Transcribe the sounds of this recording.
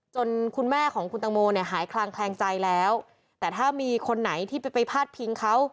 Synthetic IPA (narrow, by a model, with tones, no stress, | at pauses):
t͡ɕo˧nkʰu˧nmɛː˥˩kʰɔː˩˦ŋkʰu˧nt̪a˧ŋmoː˧ni˥˩ɐɦaː˩˦jkʰlaː˧ŋkʰlɛː˧ŋt͡ɕa˧jlɛː˦˥w | t̪ɛː˨˩t̪ʰaː˥˩miː˧kʰo˧nːa˩˦jt̪ʰiː˥˩pa˧pa˧jpʰaː˥˩t̪̚pʰi˦ŋkʰa˦˥w